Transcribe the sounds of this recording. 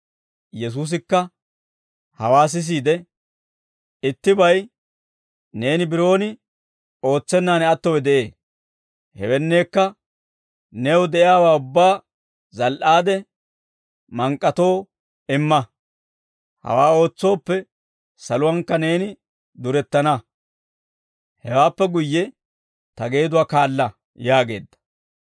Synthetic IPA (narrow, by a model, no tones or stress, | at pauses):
jɛs̬uːs̬ɪkːɐ | hɐwaːs̬ɪs̬iːd̪ɛ | ɪt̪ːɪbɐj | ne̞ːnɪbɪɾo̞ːnɪ | o̞ːt͡sːɛnːaːnɛɐt̪ːɔwɛd̪ɛʔe̞ː | hɛ̰wɛnːe̞ːkːɐ | neːwd̪ɛʔɪjaːwaːʊbːaː | zɐlʔaːd̪ɛ | mɐŋkʼːɐt̪o̞ː | ɪmːɐ | hɐ̰waːo̞ːt͡sːo̞ːpːɛ | sɐlʊwɐŋkːɐne̞ːnɪ | d̪ʊɾɛt̪ːɐnɐ | hɛwaːpːɛɡʊjːɛ | t̪ɐɡe̞ːd̪ʊwaːkaːlːɐ | jaːɡe̞̰ːd̪ːɐ̥